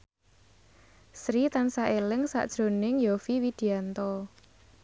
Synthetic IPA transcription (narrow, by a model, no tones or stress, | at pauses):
sɾit̪ansaʔelɪŋsa̰ʔd̥ʒ̥ɾo̤nɪŋjofiwid̪̥i̤ant̪ɔ